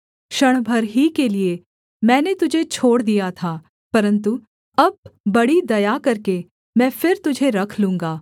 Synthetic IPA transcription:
ʃɐɽ̃bʱɐɾɦikelie | mɛ̃ːnet̪ʊd͡ʒʱet͡ʃʰoːɽd̪ijat̪ʰaː | pɐɾə̃nt̪u | ɐb̚ːɐɽid̪ɐjakɐɾke | mɛ̃ːfɪɾt̪ʊd͡ʒʱeɾɐkʰlũːŋɡaː

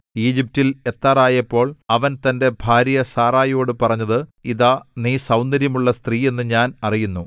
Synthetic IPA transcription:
iːd͡ʑip̚tile̞t̪ːaːraːjɐpːo̞ːɭɐʋɐnt̪ɐnde̞bʱaːɾjɐsaːraːjo̞ːɽɨpɐrɐɲːɐðɨiðaniːsɐwnd̪ɐɾjɐmuɭːɐst̪riːe̞nːɨɲaːnɐrijunːu

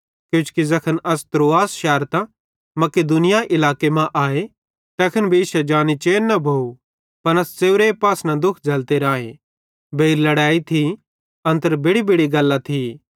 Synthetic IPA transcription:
kjʊ̃ːt͡ʃkizɐkʰənɐst̪ɾoːaːsʃɛːɾt̪ã | mɐked̪ʊnɪjaʔɪlaːkemãʔaːe | t̪ɛkʰənbʱiisɛd͡ʒaːnit͡ʃeːnɐbʱoːu | pɐnɐst͡seːʊɾepaːsnad̪ʊkʰd͡ʒʱɐlt̪eɾãːḛ̃ | bʱeːɾlɐɽaːit̪ʰi | ɐ̃nt̪əɾbɪɽibʱɪɽiɡɐlːat̪ʰi

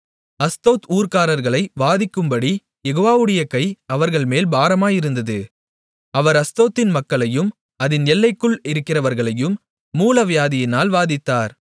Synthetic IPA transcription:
ɐst̪oːt̪uːɾkaːɾɐɾɣɐɭɐɪʋaːðɪkːɯmbɐɽi | jɛɣoːʋaːʋɯɽɐjɐkɐɪɐʋɐɾɣɐɭmeːlbaːɾɐmaːjɪɾɯnd̪ɐðɯ | ɐʋɐɾɐst̪oːt̪ːɪnmɐkːɐɭɐjɯm | ɐðɪnnɛlːɐɪkːɯɭɪɾɯkːɪrɐʋɐɾɣɐɭɐjɯmː | uːlɐʋɪjaːðɪjɪnaːlʋaːðɪt̪ːaːɾ

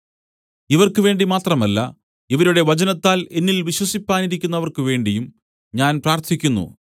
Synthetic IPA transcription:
iʋɐrkɨʋe̞ːɳɖimaːt̪rɐmɐlːɐ̰ | iʋɐɾuɽe̞ʋɐt͡ɕɐnɐt̪ːaːle̞nːilʋiɕwɐsipːaːniɾikʲːunːɐʋɐrkɨʋe̞ːɳɖijum | ɲaːnpraːrt̪ʰikʲːunːṵ

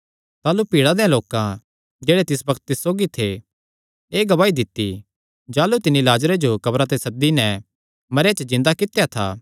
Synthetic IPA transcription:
t̪aːlupiːɽad̪eãloːkã | d͡ʒeːɽet̪ɪsbɐkʰt̪̚ːɪsːoːɡit̪ʰe | eːɡɐbaːid̪ɪt̪ːḭ | d͡ʒaːlut̪ɪnːilaːd͡ʒɾed͡ʒokɐbɾat̪̬esɐd̪inɛ | mɐɾat͡ʃəzɪ̃nd̪akɪt̪ejat̪ʰa̰ː

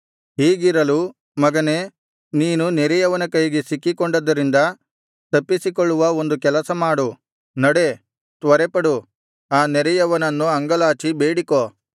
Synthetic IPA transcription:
ɦiːɡiɾɐlu | mɐɡɐne̞ː | niːnunɛɾɛjɐʋɐnɐkɐjɡesikːikɔɳɖɐd̪ːɐɾind̪ɐ | t̪ɐpːisikɔɭːuʋɐo̞nd̪ukɛlɐsɐmaːɽu | nɐɽe | t̪ʋɐɾɛpɐɽu | aːnɛɾɛjɐʋɐnɐnːuɐŋɡɐlaːt͡ʃibeːɽikoː

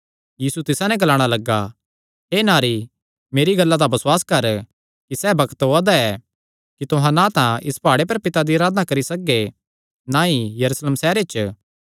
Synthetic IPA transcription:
jiːsut̪ɪsãnɛ̃ɡɐlaːɽ̃alɐɡːa | ɦeːnaːɾi | meːɾiɡɐlːad̪abɐswaːskɐɾ | kisɛːbɐkt̪ɦoːad̪aɛ | kit̪ʊɦãnãt̪ãʔɪspaːɽep̬ɐɾpɪt̪ad̪iɐɾaːd̪nakɐɾisɐkːe | nãijɐɾuːsleːmsɛːɾet͡ʃ

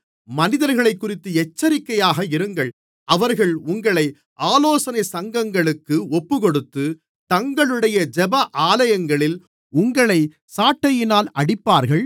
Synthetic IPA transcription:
mɐnɪðɐɾɣɐɭɐɪkːʊrɪt̪ːɯɛt͡ʃːɐɾɪkːɐjaːɣɐɪɾɯŋɡɐɭ | ʔɐʋɐɾɣɐɭʊŋɡɐɭɐɪ | ʔaːloːsɐnɐɪsɐŋɡɐŋɡɐɭɯkːɯɔpːɯkɔɽɯt̪ːɯ | t̪ɐŋɡɐɭɯɽɐjɐd͡ʒɛbɐʔaːlɐjɐŋɡɐɭɪl | ʊŋɡɐɭɐɪ | saːʈːɐjɪnaːlɐɽɪpːaːɾɣɐɭ

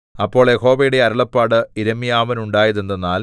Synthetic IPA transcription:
ɐpːo̞ːɭeko̞ːbɐjuɽe̞ɐɾɐɭɐpːaːɽɨiɾɐmːijaːʋɐnuɳɖaːjɐðend̪enːaːl

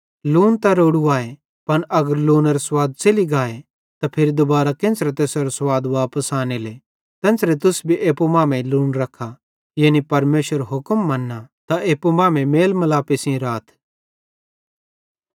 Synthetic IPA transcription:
luːnt̪ɐɾoːɽuaːe | pɐnʔɐɡəɾluːneɾeswaːd̪̚t͡ʃeliɡaːe | t̪apʰɪɾid̪ʊbaːɾakẽːnsɾet̪eːsoɾoswaːd̪ʋaːpəsaːnele | t̪ɛ̃ːnsɾet̪̬ʊsbʱiʔeːpomãːmẽluːnɾɐkʰːa | jeːnipɐɾmeːʃəɾɦʊkəmːɐnːat̪aeːpomãːmẽmeːlmɐlaːpesɪ̃ɾaːt̪ʰ

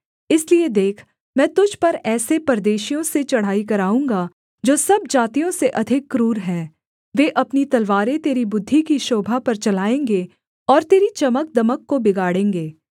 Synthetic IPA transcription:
ɪslied̪eːkʰ | mɛ̃ːt̪ʊd͡ʒʱpɐɾɛːsepɐɾd̪eːʃijõset͡ʃɐɽ̤aːikɐɾaːũːŋɡa | d͡ʒoːsɐb̚d͡ʒaːt̪ijõseʔɐd̪ʱɪkːɾuːɾɦɛ̃ː | ʋeːʔɐpnit̪ɐlʋaːɾẽt̪eːɾibʊd̪ʱːikiʃoːbʱapɐɾt͡ʃɐlaːẽːŋɡe | ɔːɾt̪eːɾit͡ʃɐmək̚d̪ɐməkːobɪɡaːɽẽːŋɡeː

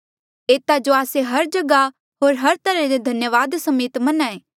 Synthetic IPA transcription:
eːt̪ad͡ʒoaːseɦɐɾd͡ʒɐɡa | ɦoːɾɦɐɾt̪ɐɾɛ̃d̪ed̪ʱɐnjəʋaːd̪sɐmeːt̪mɐnãeː

